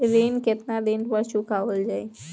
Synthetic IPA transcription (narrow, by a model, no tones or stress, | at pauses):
ɾenket̪nad̪enpəɾʃũkaʋəld͡ʒaj